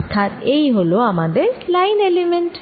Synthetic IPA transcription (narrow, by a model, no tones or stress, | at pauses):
t̪ʰːaɾeiɦoloamãd̪elajnelemẽɳʈ